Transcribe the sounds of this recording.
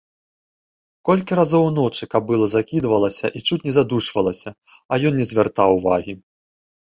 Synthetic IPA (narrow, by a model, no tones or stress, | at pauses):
kɔlʲkʲiɾazɔwnɔt͡ʂɨkɐb̚ːɨlˠɔzakʲid̪vɐlˠɐsʲɐ̰ʔit͡ʂut͡s̚ʲnʲɛzad̪uʂvɐlˠɐsʲɐ | ɐjɔnnʲɛzʲvʲɛrt̪awvaɣʲi